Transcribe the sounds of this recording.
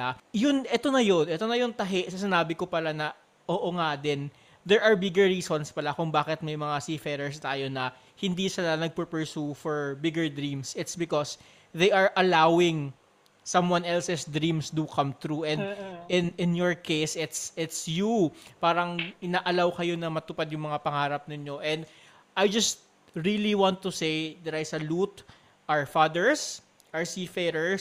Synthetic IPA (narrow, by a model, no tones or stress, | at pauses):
ajʊnʔɛt̪o̞nɐjonʔɛt̪o̞nɐjoŋt̪ɐɦɛʔsɐs̬ɪnaːbɪkopɐlanɐ | ʔoːʔoŋad̪ɛn | d̪ɛɹʔɐɹbɪɡɛɹːiːsonspɐlakʊŋbaːkɪt̪̚mɐjmɐŋasifɛɾɛɹst̪aːjonɐ | hɪnd̪iːsɪlanɐɡ̚pɛpɛɹsufɔɹbɪɡɛɹd̪ɾĩmsɪt̪sbɪkos | ðejʔɐɹʔɐlawɪŋ | sɐ̃mwanɛlsɛsd̪ɾĩmsd̪ukʰɐmt̪ɾuɛ̃nd̪ɪnɪ̃njɔɹkejsɪt̪sɪt̪sjupaːɾɐŋɪnaʔɐlawkɐjo̞nɐmɐt̪ʊpad̪jʊŋmɐŋapɐŋaːɾɐp̚nɪɲo̞ʔɛ̃nd̪ | ʔajd͡ʒɐst̪̚ | ɹiliwãnt̪ːʊsejd̪ɐɾajsɐlut̪ | ʔɐɹfad̪ɛɹs | ʔɐɹsifɛɾɛɹ